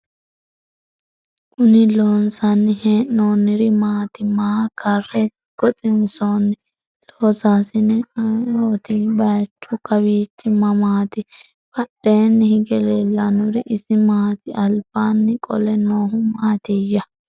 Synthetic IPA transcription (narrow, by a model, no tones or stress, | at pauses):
ʔʊnɪloːnsanːɪheːnːoːnɪɾɪmaːt̪ɪmaːkʰɐrːɛ | ɡ̥ɔt̪ʼɪnsoːnːɪ | loːsaːsɪnɪoːt̪ɪbɐjt͡ʃːʊkɐbiːt͡ʃːɪmɐmaːt̪ɪ | bɐɗːeːnːɪhɪɡɛleːlːɐnʊɾɪʔɪsɪmaːt̪ɪʔɐlb̥aːnːɪkʼɔ̰lɛnoːɦʊmaːt̪ɪjːɐ